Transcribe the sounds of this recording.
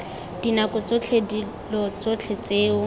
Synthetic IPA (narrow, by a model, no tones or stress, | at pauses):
d̥inakʼʊt͡sʼot͡ɬʰedi | lɔt͡sot͡ɬʰet͡seːʊ